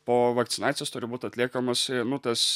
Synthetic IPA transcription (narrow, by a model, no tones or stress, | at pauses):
poːʋɐkt̪sʲɪnɑːt̪sʲɪjest̪ʊɾʲɪbuːt̪ʲɐtʲlʲiɛkɐmɐsɪnʊt̪ɐs